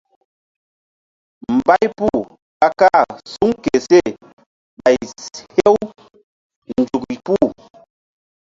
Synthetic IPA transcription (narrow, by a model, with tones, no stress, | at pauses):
m̩˨ba˦jpu˦˨ | ka˦ka˦˨su˦ŋ˦ke˨se˦˨ | ba˨jhe˦w | n̩˨d͡ʒu˨ki˨pu˦˨